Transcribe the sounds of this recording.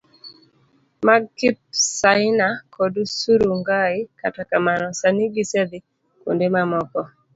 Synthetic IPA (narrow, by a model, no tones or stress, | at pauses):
maɡkɪp̚saɪnakɔdusuɾuŋɡaɪkatakamanɔsaniɡised̪ɪ | ko̰ndemamɔkɔ